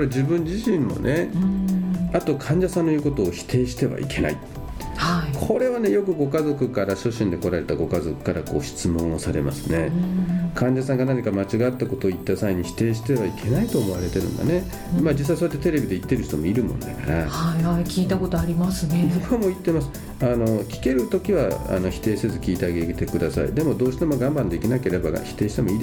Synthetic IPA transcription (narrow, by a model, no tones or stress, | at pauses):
koɾed͡ʑibɯ̃ɲd͡ʑiɕĩmmo̞̰nʔe̞ | at̪o̞kʰãɲ̟d͡ʑasãnːoiɯ̟ko̞t̪o̞ːçi̥t̪ʰe̞ːɕi̥t̪e̞βa̰ḭkʰe̞na̰i | haikʰo̞ɾe̞βane̞jo̞kɯ̟ɡo̞kazo̞kɯ̟kaɾaɕo̞ɕĩnd̪e̞ko̞ɾaɾe̞t̪aɡo̞kazo̞kɯ̟̥kaɾako̞ːɕi̥t͡sɨmõ̞ɰ̃osaɾe̞̰ma̰sɨ̥ne̞kʰãɲ̟d͡ʑasãŋɡanaɲikamat͡ɕiɡat̪ːako̞t̪o̞ːit̪ːasaiɲ̟içi̥t̪e̞ːɕi̥t̪e̞βaikʰe̞nait̪oːmo̞β̞aɾe̞t̪e̞ɾɯ̟̰̃nd̪a̰ne̞ | mad͡ʑis̬ːaisoet̪ːet̪e̞ɾe̞bʲid̪eit̪ːe̞ɾɯ̟çi̥t̪o̞mo̞iɾɯ̟mõnd̪akaɾahahaikʲiːt̪akot̪oaɾʲimasɨnedokomoit̪ːe̞masɨ̥ | ano̞kʲi̥ke̞ɾɯ̟t̪o̞kʲiβa̰a̰no̞çi̥t̪e̞ːse̞zɨkʲiːt̪eaɡe̞iɡet̪e̞kɯ̟d̪asa̰ḭd̪e̞mo̞d̪o̞ːɕi̥t̪e̞mo̞ɡãmbãnd̪e̞kʲinake̞ɾe̞baa̰çi̥t̪e̞ːɕi̥t̪e̞mo̞iːd̪